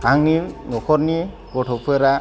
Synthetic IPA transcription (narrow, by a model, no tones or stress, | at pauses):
haŋninɔkʰɔɾni | ɡɔʈʰɔpʰueɾa